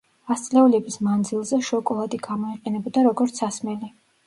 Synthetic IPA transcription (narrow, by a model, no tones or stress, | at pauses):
ast̪sʼlɛulɛbismand̪zilˠzɛʃɔkʼɔlˠad̪iɡamɔiqʼɛnɛbɔd̪aɾɔɡɔɾt̪sʰasmɛli